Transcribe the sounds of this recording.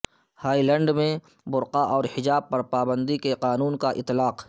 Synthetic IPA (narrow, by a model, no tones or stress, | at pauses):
haːilɛ̃ːɳɖmẽ | bʊɾqaʔɔːɾhɪd͡ʒaːb̚pɐɾpaːbə̃nd̪ikeqaːnuːnkaʔɪ̰t̪ːlaːq